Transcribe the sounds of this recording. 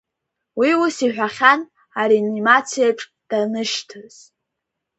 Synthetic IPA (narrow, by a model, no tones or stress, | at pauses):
wiusiħʷᶣaχʲan | aɾinimat͡sʰijaʈ͡ʂʼ | d̥anɨʃtʰaz̥